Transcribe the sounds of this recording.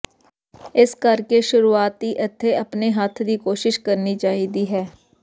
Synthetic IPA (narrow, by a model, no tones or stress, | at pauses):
ɪskəɾkeːʃʊɾuːaːt̪ːiːʔət̪ʰːeːəpneːɦət̪ʰd̪iːkoːʃɪʃkəɾniːt͡ʃaːɦiːd̪iːɦɛː